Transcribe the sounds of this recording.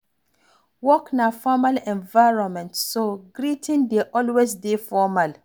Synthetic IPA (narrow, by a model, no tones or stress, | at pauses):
wɔknafɔmalɛ̃nvajɹɔ̃nmɛ̃ntsoɡɹitʰĩndeʔɔlwesdefɔmal